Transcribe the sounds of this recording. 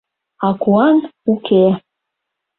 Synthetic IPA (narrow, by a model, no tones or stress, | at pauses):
ɑkuɑnukʰe